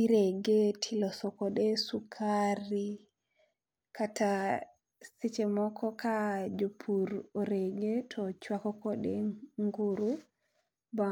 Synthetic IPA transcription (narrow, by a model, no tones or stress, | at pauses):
iɾeɡetʰilɔsɔkɔɗesukʰaɾi | kata | sit͡ʃemɔkʰɔkad͡ʒopʰuɾoɾeɡetʰɔt͡ʃwakɔkɔɗeŋɡuɾu | ba